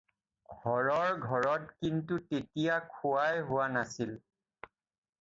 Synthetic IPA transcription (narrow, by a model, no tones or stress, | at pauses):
ɡʱɔɹɔɹɡʱɔɹɔtkintutetijakʰʊwajɦʊwanasil